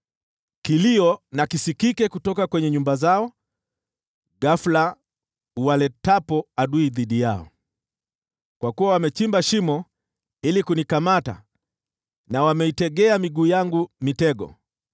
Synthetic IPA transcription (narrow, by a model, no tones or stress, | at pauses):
kiliɔnakisikikɛkutɔkakwɛɲɛɲumbazaɔ | ɡafla | uwalɛtapɔaɗuiðiɗijaɔ̰ | kwakuwawamɛt͡ʃimbaʃimɔ | ilikunikamata̰ | nawamɛitɛɠɛamiɡuːjaŋɡumitɛɡɔ̰